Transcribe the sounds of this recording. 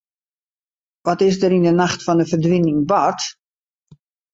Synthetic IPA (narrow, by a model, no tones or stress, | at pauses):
ʋɔtɪs̬dərindənaxtfɔndəfərdʋinɪŋbɔrt